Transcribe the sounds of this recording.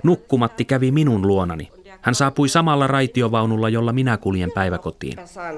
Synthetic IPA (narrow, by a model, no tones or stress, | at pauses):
nukːumɑt̪ːikæʋiminunluonɑ̰nḭ | hænsɑːpujsɑmɑlːɑrɑjt̪io̞ʋɑwnulːɑjo̞lːɑminækuljempæjʋæko̞t̪ḭːn